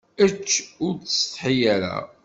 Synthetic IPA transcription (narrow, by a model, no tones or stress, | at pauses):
ət͡ʃːʊɾt͡sːst̪ħijæɾæ̰